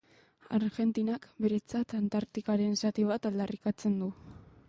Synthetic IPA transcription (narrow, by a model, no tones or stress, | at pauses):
a̰ɾɣe̞nt̪inakbe̞ɾe̞t͡sat̪ant̪aɾt̪ikaɾe̞nsat̪iβat̪ald̪arikat͡se̞nd̪u